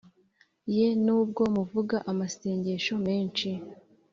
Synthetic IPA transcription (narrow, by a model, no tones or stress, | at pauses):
je̞nuːb̚ɡo̞muvuɡaʔamase̞ːɲɟe̞ʃo̞me̞ːnt͡ʃi